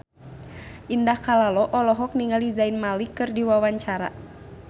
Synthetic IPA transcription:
ʔindahkalalɔʔɔlɔɦɔk̚niŋɡalizainmalikɨrdiwawaɲt͡ʃaɾa̰

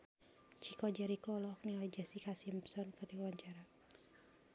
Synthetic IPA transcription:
t͡ʃikɔd͡ʒaɾikɔlɔk̚nilɛd͡ʒasikasimsɔnkɨrdiluwaɲt͡ʃaɾa

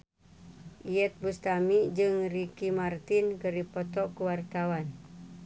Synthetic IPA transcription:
ʔiɛt̪̚bust̪amid͡ʒɨŋrikimart̪inkəripɔt̪ɔkuwart̪awan

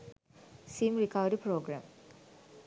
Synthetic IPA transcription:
siːmɾikaʋɖipɾoːɡɾa̰m

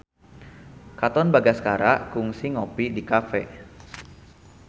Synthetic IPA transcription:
kat̪ɔnbaɡaskaɾakʊŋsɪŋopidikafɛ̰

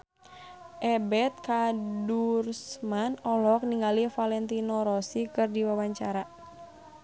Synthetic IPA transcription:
ʔɛbɛt̪̚kadursmanɔlɔk̚niŋɡalifalɛnt̪inɔɾɔsikɨrdiwawaɲt͡ʃaɾa

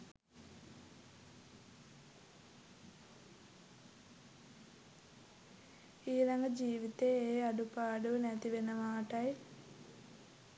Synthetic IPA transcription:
iːɾɐŋɡɐd͡ʒiːʋit̪eeːɐɖupaːɽunɐt̪iʋenːɐmaːʈɐj

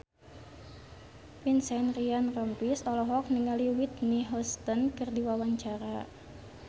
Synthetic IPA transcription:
pinsɛnrianrɔmpisɔlɔɦɔk̚niŋaliwit̪niɦɔst̪ənkɨrdiwawaɲt͡ʃaɾa

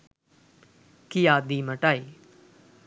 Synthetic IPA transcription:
kijaːd̪iːməʈaːiː

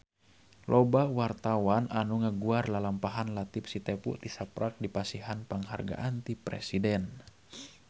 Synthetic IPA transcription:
lʔɔbawart̪awanʔanuŋəɡuarlalampaɦanlat̪ip̚sit̪ɛpṵt̪isapɾak̚dipasiɦanpaŋɦa̰rɡa̰ʔant̪ipɾɛ̰sidɛn

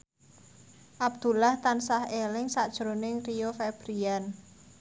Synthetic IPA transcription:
ʔab̚d̪̥ṳlaht̪ansahelɪŋsad̥ʒ̥ɾonɪŋrijofeb̥ɾian

